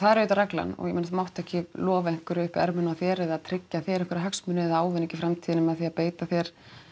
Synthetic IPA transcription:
θaðɛɾʏːt̪aɾɛkla̰nɔ̰ɣjɛmenaθamawht̪ɛhcɪlɔːvaɪŋ̥kʏɾʏhpɛ̰ɾmʏnaθjɛɾɛðaðt̪ʰɾɪcːaθjɛɾɛŋkʏɾɦœksmʏnɪɛðaːwvɪnɛcːɪfɾamt̪ʰiːðɪnɪmɛðaθiapeːjt̪aθjɛɾ̥

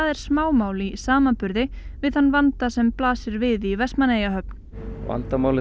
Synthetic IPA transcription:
aðɛɾ̥smaːwmaːwlisaːmanpʏɾðɪ | vɪðhanːvant̪asɛmplaːsɪɾvɪðivɛst̪manejaɦœpn | va̰nt̪amaːwlɪ

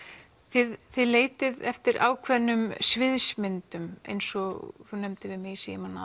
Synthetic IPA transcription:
θɪðθɪðleːjt̪ɪðɛft̪ɪɾʔa̰ːwkʰvɛnːʏmsvɪðsmɪnt̪ʏmḛjnsɔɣθunɛmt̪ɪvɪðmɪsiɪmanːa̰

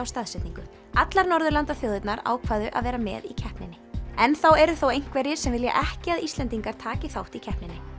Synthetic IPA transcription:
awst̪aðsɛt̪niŋkʏ | at̪laɾnɔɾðʏlant̪aθjowðɪt̪naɾa̰ːwkʰvaːðʏʔa̰ðvɛːɾamɛ̰ːðicʰɛhpnɪnːɪɛnθawɛɾʏθowejŋ̥kvɛɾjɪ̥sɛmvɪlja̰ʔɛhcɪaðist̪ɛnt̪iŋkaɾ̥t̪ʰaːcɪθawht̪icʰɛhpnɪnːɪ

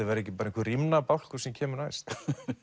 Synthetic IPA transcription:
ɛðvaɾɛhcɪpaɾaĩnŋkvɪrimnapawl̥ku̥sɛmcʰɛːmʏɾnajst̪

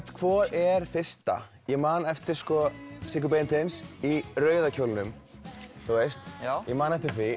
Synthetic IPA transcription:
t̪kʰvɔːɾɛɾ̥fɪr̥st̪a̰ | jɛɣmaːnɛft̪ɪɾ̥skɔsɪk̬ʏp̬ejnt̪ɪnsirœːɥðacʰowlnʏm | θuest̪ːjɛmaːnɛft̪ɪɾ̥θvi

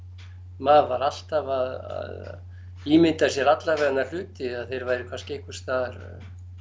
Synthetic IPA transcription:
maːvaɾal̥t̪avaða̰ð | imɪnt̪as̬jɛɾat̪lavɛɣanaɾl̥ʏːt̪ɪaðθejɾvaːjɾɪkʰvanscɪehkvʏ̥st̪aðɾ̥̰

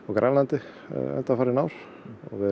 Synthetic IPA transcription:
ɔkɾʔanlant̪ɪ | ɛ̰nt̪afaːɾɪnawɾ̥ | ɔ̰ɣvɪ

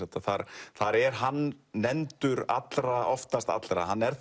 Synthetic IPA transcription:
ɛt̪aθaɾθaɾɛɾɦanːɛnt̪ʏɾa̰t̪lɾaɔft̪ast̪a̰t̪lɾahanːɛɾθ

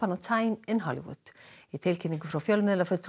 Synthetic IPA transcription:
anɔt̪ʰaɪmɪnɦɔlḭwʊ̰d̪̥it̪ʰɪlcʰɪniŋkəfɾafjœlmɪðlafɪlt̪ʰ

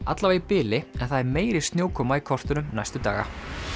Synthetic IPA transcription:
a̰t̪lavaipɪːlɪɛnθaðɛɾmeːjɾɪst̪njoːwkʰɔːmaikʰɔr̥t̪ʏnʏmna̰jst̪ʏt̪a̰ːɣa̰

